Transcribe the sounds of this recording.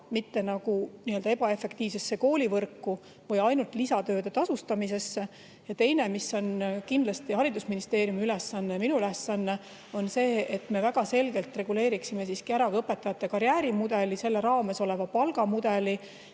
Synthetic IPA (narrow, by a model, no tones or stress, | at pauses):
mit̪ːe̞nɑɡ̥uniːøld̪ɑe̞b̥ɑe̞fːe̞kt̪iːvse̞sːe̞ko̞ːlʲivɤrkːu | vɤjɑjnult̪ˑlisɑt̪øːd̪e̞t̪ɑsust̪ɑmis̬e̞sːe | jɑt̪e̞jne̞misːo̞nkind̪lɑst̪ihɑɾid̪usminist̪eːɾjumiylesːɑnːeminuylesːɑnːe̞ | o̞nse̞ːt̪ːˑme̞væɡ̥ɑse̞lɡ̥e̞lt̪ˑre̞ɡ̥ule̞ːɾiksime̞siskiæɾɑɤpːˑe̞t̪ːˑɑjɑt̪ːˑe̞kɑɾjæːɾimud̪̥e̞lise̞lːeɾɑːme̞so̞le̞vɑpɑlɡ̥ɑmud̪̥e̞li